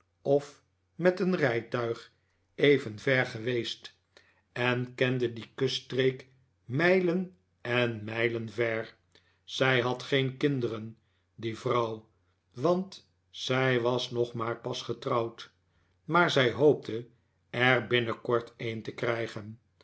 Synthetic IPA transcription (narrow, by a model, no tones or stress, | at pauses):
ɔf | mɛtənrɛjtœɥχ | ejvənvɛɹχəʋejst | ɛnkɛndədikøstrejk | mɛjlən | ɛnmɛjlənvɛɹ | sɛjɦɑtχejnkɪndərən | divrɑw | ʋɑnt | sɛjʋɑsnɔχmaːɹpɑsχətrɑwt | maːɹzɛjɦowp̚tʰə | ɛɹbɪnəkɔɹtʰentəkrɛjχən